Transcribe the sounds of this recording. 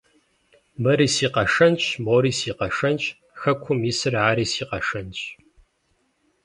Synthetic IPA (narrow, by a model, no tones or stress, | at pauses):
mɐɾiːsiːqɐʂɐnt͡ʃʼmoːɾiːsiːqɐʂɐnt͡ʃʼ | xɐkʷʰʊmiːsɨrʕaːɾiːsiːqɐʂɐnt͡ʃʼ